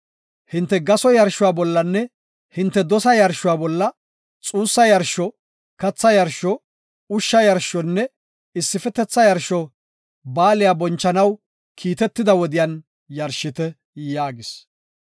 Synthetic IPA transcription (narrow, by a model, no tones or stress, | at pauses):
hɪnt̪ːɛɡɐsɔjɐɾʃʊwaːbɔlːɐnːɛ | hɪnt̪ːɛd̪ɔsɐjɐɾʃʊwaːbɔlːɐ | t͡sʼuːsːɐjɐɾʃɔ | kɐt͡sːɐjɐɾʃɔ | ʊʃːɐjɐɾʃɔnːɛ | ɪsːɪfɛt̪ːɛt͡sːɐjɐɾʃɔ | baːlɪjabɔnt͡ʃːɐnɐw | kʰiːt̪ɛt̪ːɪd̪ɐwɔd̪ɪjɐn | jɐɾʃɪt̪ɛ | jaːɡɪs